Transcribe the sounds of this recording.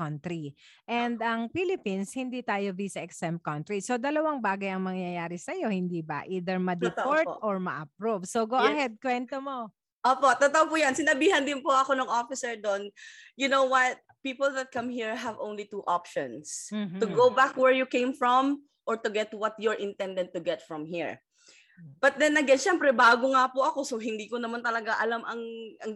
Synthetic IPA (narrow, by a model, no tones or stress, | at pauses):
ɐnt̪ɾiʔɛnd̪ɐŋpilɪpinshɪnd̪it̪aːjovisɐʔɛksɛm̚kɐnt̪ɾisod̪ɐlɐwɐŋbaːɡɐjɐŋmɐŋjɐjaːɾɪsɐjo̞hɪnd̪ibɐ̰ʔiːd̪ɛɹmɐd̪ɛpoɹt̪ʔoɹmɐ̰ʔɐp̚ɾuvsoɡoɐhɛd̪̚kwɛnt̪omo | ʔoːpot̪ot̪oʔopujɐnsɪnɐbiːhɐnd̪ɪnpoɐkonɐŋʔofɪsɛɹd̪onjʊnowwɐt̪̚ | piːpolˠðɐt̪̚kɐmhiɹɦɐvʔõwnlit̪uʔapʃɔ̰̃nst̪ʊɡowbakwɛɹjʊkẽjmfɹɔm | ʔɔɹt̪ʊɡɛt̪wɐt̪̚jɔɹʔɪ̃nt̪ɛnd̪ɐnt̪ːʊɡɛt̪fɹɔ̃mhiɹ | b̥ɐt̪̚d̪ɛnːɐɡɛnʃɛmpɾɛbaːɡoŋapʊʔɐko̞soɦɪnd̪iːkonɐmɐnt̪ɐlɐɡaʔɐlamʔɐŋʔɐŋ